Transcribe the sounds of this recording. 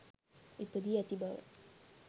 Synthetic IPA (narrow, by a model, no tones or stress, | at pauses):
ipəd̪iat̪iba̰